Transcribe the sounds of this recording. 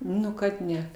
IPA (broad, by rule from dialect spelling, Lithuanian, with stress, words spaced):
ˈnʊ kɐt ˈnʲɛ